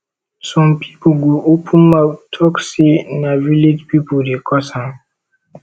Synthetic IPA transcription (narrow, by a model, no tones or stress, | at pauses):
sɔ̃mpʰi̥poɡoʔopʰũnmatʰɔksinavilid͡ʒpipodekʰɔsãm